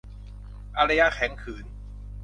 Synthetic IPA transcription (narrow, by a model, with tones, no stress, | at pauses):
ʔa˧ɾa˧ja˧kʰɛ˩˦ŋkʰɯː˩˦n